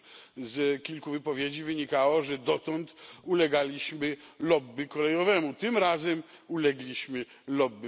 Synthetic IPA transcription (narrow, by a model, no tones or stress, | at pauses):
zkʲilkuvɘpɔvʲjed͡ʑivɘɲikawɔʐɛd̪ɔt̪ɔnt̪ulɛɡalʲiɕmɘlɔbːɘkɔlɛjɔvɛmut̪ɘmɾazɛm | ulɛɡlʲiɕmɘ | lɔbːɘ